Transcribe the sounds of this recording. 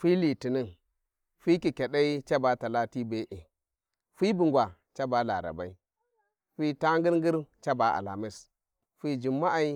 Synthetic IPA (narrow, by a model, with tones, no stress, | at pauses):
fi˦li˨ti˨ni˦n | fi˦ki˨kʲe˨ɗa˦i˦t͡ʃa˦ba˨ta˨la˦ti˦be˦ʔi˨ | fi˦bi˨ŋɡʷwa˨t͡ʃa˦ba˨la̰˨ɾa̰˨ba̰˨˦i˦ | fi˦ta˦ŋɡi˦ɾŋɡi˦ɾt͡ʃa˦ba˨a̰˨la̰˨mi˦s | fi˦d͡ʒi˨mːa˦ʔa˦˨i˦